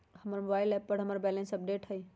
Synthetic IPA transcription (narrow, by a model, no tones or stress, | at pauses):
həməɾmobaːɪlɛpːəɽɦəməɾbɛlẽnsəp̚ɖeːʈɦəi